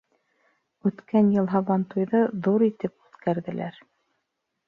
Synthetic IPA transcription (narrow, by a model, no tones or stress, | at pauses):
ʉt̪kænjɤ̆lˠɦɑβɑnt̪ujðɤðuɾit̪ɘpʉθkæɾðɘ̆læ̰ɾ